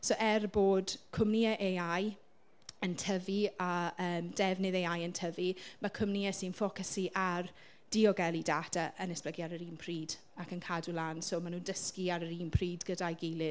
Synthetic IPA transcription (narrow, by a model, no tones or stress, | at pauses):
soʔɛrboːd̥kʰʊmniəʔejaj | əntʰəviaəːmdɛvnɨðeajəntʰəvimakʰʊmniəsiːnfɔkəsiʔar | d̥iɔɡɛlˠidadaʔənɛsb̥ləɡiaɾəɾiːnpʰriːd | akənkʰadulˠaːnsoːmanuːndəskiaɾəɾiːnpʰriːdɡədajɡejlˠɪ